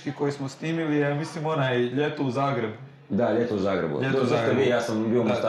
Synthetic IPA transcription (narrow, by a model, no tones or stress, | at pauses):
kikojismosniːmilijamislimo̞najeʎet̪ouzaːɡɾe̞bu | d̪aʎet̪ouzaːɡɾḛbṵʎet̪oaobijaːsambiomast̪